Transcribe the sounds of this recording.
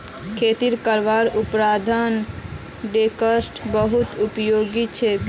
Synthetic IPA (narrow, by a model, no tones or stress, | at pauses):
kʰet̪iɾkəɾʋaɾupɾad̪ʱən | ɖekəsʈbəɦut̪upjoɡit͡ʃʰɛ